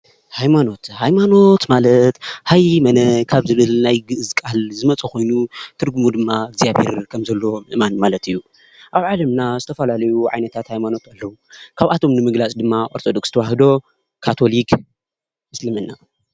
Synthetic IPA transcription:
hajmano̞t̪hajmano̞t̪malɐt̪hajmɐnɐkʰaβzɨβɨlnajɡɨʔɨzkʼalzɨmɐt͡sʼɐko̞jnut̪ʰɨɾɡumud̪ɨmːaɡzijaβhḛɾkʰɐmzɐlːo̞mɨʔmanmalɐt̪ɨjːu | ʔaβʕalɐmnazɨt̪ʰɐfɐlalɐjuʕa̰jnɐt̪ʰat̪hajmano̞t̪alːɐwukʰaβʔat̪ʰo̞mnɨmɨɡlat͡sʼd̪ɨmːaʔʼoɾt̪ʰod̪o̞ksɨt̪ʰɐwaɦɨd̪o̞ | kʰat̪ʰo̞lik | ɨslɨmɨnːa

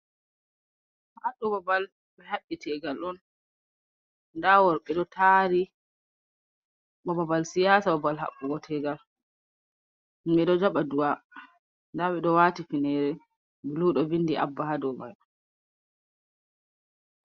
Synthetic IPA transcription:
haɗɔbabal | bɛhaɓːitʰɛɡalɗɔn | dawɔɾɓɛɗɔtʰaɾi | ɓɔbabalsijaːsababalha̰ɓːuɡɔtʰɛɡal | mɛɗɔd͡ʒaɓadua | ndaɓɛɗɔwaːtifinɛɾɛ | biluɗɔvindiʔa̰bːahadɔma̰j

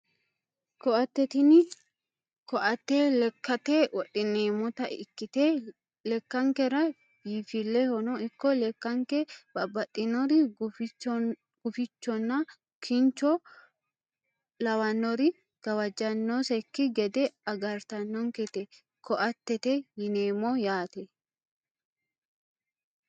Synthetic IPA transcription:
kɔʔɐt̪ːɛt̪ɪnɪ | kɔʔɐt̪ːeːlɛkːɐt̪ewɔɗɪneːmɔt̪ɐɪkːɪt̪e | lɛkːɐŋkɛɾɐ | jifilːɛhɔnɔɪkːɔlɛkːɐŋkɛb̥ɐbɐtːɪnɔɾɪ | ɡ̥ʊfɪt͡ʃːɔnːɐ | kʰɪnt͡ʃːɔ | lɐwɐnːɔɾɪ | ɡ̥ɐwɐd͡ʒɐnːɔsɛkːɪɡɛd̪ɛɐɡɐɾt̪ɐnːɔŋkɛt̪ɛ | kʰɔʔɐt̪ːɛt̪ɛjɪneːmɔjaːt̪ɛ

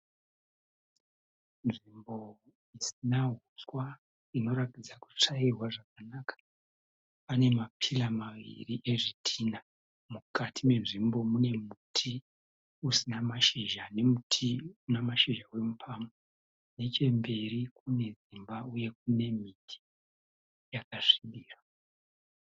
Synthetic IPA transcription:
nʐimbo̞ | isinaɦuswa | ino̞ɾakid͡zaku̥t͡ʂairwaʐakanaːkḁ | pane̞mapʰilamaʋḭriʔe̞ʐitʰina | mukatʰime̞nʐimbo̞mune̞mutʰi | usinamaʃiʒane̞mutʰiunamaʃiʒawemupʰaːmo | ne̞t͡ʃe̞mbe̞ɾikune̞zimbauje̞k̚une̞mitʰi̥ | jakaʂiɗiːra

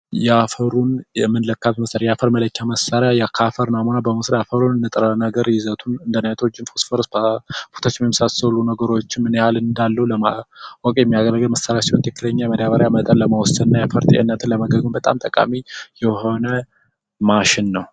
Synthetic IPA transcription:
jɛafəɾunjɛmɨnləkʰːatməsəɾjafəɾmələkʰːaməsːəɾjajakʰafəɾnamunabəməsɾjafəɾunɨnːɨt̪ʼəɾənəɡəɾjɪzət̪ʰunɨnd̪ənət̪ʰod͡ʒːɪnfosfoɾsbabu̥t̪ʰat͡ʃːɪmɛmːisasəlunəɡəɾo̞t͡ʃːɪnmɨnehalɨnd̪alːəhuləawɔkʼjɛmːijaɡəɾəɡəlməsːəɾjasiwɔnt̪ʰɨkːɨləɲːajɛməd̪aβəɾjamət̪ʼənləməwɔsənnːajafəɾt̪ʰʼḭʔɪ̰nːət̪ʰɨnləməɡəɡumbət̪ʼa̰mt̪ʼəkʼa̰mijɛho̞nə | maʃɪnːəw

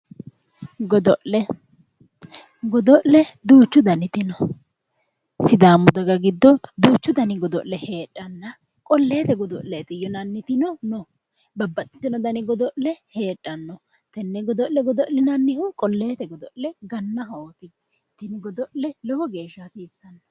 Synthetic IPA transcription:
ɡɔd̪ɔʔlɛ | ɡɔd̪ɔʔlɛd̪uːt͡ʃːʊd̪ɐnɪt̪ɪnɔ | sɪd̪aːmːʊd̪ɐɡɐɡɪd̪ːɔd̪uːt͡ʃːʊd̪ɐnɪɡɔd̪ɔʔlːɛhe̞ːtʼːɐnːɐ | kʼɔlːe̞ːt̪ɛɡɔd̪ɔʔlɛt̪ɪjɔnɐnːɪt̪ɪnɔnɔ | bɐbːɐt̪ʼɪ̥t̪ːɪnɔd̪ɐnɪɡɔd̪ɔʔlɛhe̞ːtʼːɐnːɔ | t̪ɛnːɛɡɔd̪ɔʔlɛɡɔd̪ɔʔlɛnɐnːɪhʊkʼɔlːeːt̪ɛɡɔd̪ɔʔlɛɡɐnːɐɦɐɔt̪ɪ | t̪ːɪnɪɡɔd̪ɔʔlɛlɔwɔɡeːʃːasiːsːɐnːɔ

